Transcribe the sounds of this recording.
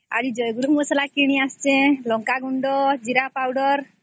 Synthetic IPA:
a̰ɾid͡ʒɔjɡuɾumɔsalakiɽ̃iast͡ʃẽlɔŋkaɡuɳɖɔd͡ʒiɾapawɖɔɾ

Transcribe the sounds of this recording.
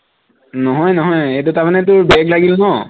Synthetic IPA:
nɔɦɔjnɔɦɔjejtutaɹmanɛt̬ʊɹbɛklaɡilmɔ

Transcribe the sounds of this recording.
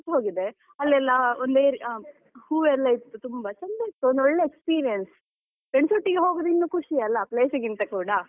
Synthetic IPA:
ɦoːɡid̪e̞ | ɐlːɛlːɐond̪eːɾ | huːʋɛlːɐit̪ːut̪umbɐt͡ʃɐnd̪ɐit̪ːuond̪oɭːeekspiːɾijɐns | peɳsuʈːiɡeɦo̞ːɡod̪inːuːkʰuʂiɐlːɐpleːsɐɡint̪ɐkuːɽɐ

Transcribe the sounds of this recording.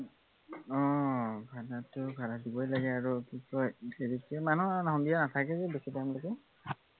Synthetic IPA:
ɔbʱanatʊbʱaladibɔjlaɡɛaɹukikɔjeɹitɛmanuanaɦɔ̃ndijanatʰakɛzɛbisitajmlakɛ

